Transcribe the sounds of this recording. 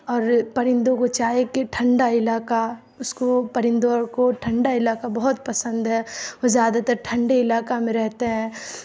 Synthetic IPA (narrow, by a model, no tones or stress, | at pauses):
ɔːɾpɐɾɪ̃nd̪õkot͡ʃaːekeʈʰɐ̃ɳɖaɪlaːka | ʊskopɐɾɪ̃nd̪okoʈʰɐ̃ɳɖaɪlaːkabɐɦʊt̪̚pɐsə̃nd̪ɦɛːʋɐzjaːd̪at̪ɐɾʈʰɐ̃ɳɖeɪlaːkamẽɾɛɦt̪eɦɛ̃ː